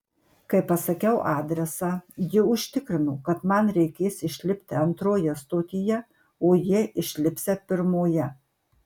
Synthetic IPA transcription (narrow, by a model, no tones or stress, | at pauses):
kɐɪpɐsɐkʲɛʊʔɑːd̪ʲɾʲɛsɑːjɪʊʃʲt̪ʲɪkɾʲɪnʊkɐt̪mɐnɾʲɛɪkʲeːsɪʃʲlʲɪpʲt̪ʲɪɐnt̪ɾoːjɛst̪oːt̪ʲɪjɛ | oːjiɛʔɪʃʲlʲɪpʲsʲɛpʲɪɾmoːjɛ